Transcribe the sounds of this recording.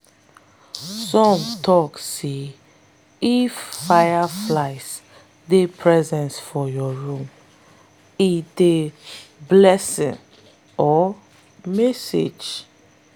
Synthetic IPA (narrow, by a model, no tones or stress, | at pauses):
sɔ̃mtʰɔkse | ifːajaflaɪs | depʰɹɛzɛ̃nsfɔjɔɹũm | ideblɛsḭ̃n | ɔ | mɛsḛd͡ʒ